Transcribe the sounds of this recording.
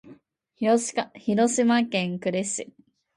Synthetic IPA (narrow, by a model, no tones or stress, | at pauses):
çiɾosɨmakẽŋkɯ̟ɾesɨ